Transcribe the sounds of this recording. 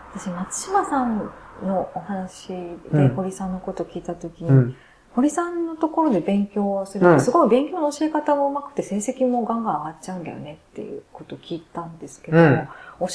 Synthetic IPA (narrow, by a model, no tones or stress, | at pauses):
βat̪aɕimat͡sɨ̥ɕimasãnno̞ːhanaɕid̪e̞ho̞ɾʲisãnːo̞ko̞t̪o̞kʲiːt̪at̪o̞kʲiɲ̟i | ho̞ɾʲisãnːo̞t̪o̞ko̞ɾo̞d̪e̞bẽ̞ŋkʲo̞ːsɨɾɯ̟osɨɡo̞kibẽ̞ŋkʲoːnoːɕie̞kat̪aɡoɯ̟makɯ̟̥t̪ːe̞se̞ːse̞kʲimo̞ɡãŋɡãɰ̃aɡatt͡ɕaɯ̃nd̪a̰jo̰ne̞t̪ːe̞̰jɯ̟̰ko̞t̪o̞kʲiːt̪ãnd̪e̞sɨ̥ke̞d̪omoo